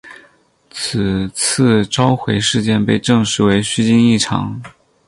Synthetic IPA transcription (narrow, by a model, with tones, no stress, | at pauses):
t͡s̩ʰ˨˩t͡s̩ʰ˥˩ʈ͡ʂɑ˥ʊxwe˧˥ɪʂɻ̩˥˧t͡ɕjɛ˥˧npe˥˧ɪʈ͡ʂɤ˥˧ŋʂɻ̩˧˥we˧˥ɪɕy˥t͡ɕi˥ni˥˩ʈ͡ʂʰɑ̰˧˥ŋ